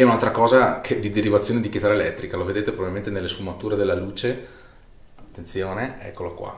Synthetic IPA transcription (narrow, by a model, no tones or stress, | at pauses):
ɛunalt̪ɾakɔːzakʰed̪id̪eɾivat̪sjoːned̪ikit̪aɾaelɛt̪ːɾikaloved̪eːt̪epɾobabilment̪enelːesfumat̪uːɾed̪elːaluːt͡ʃe | at̪ːent̪sjoːneɛ̰kːolakwa̰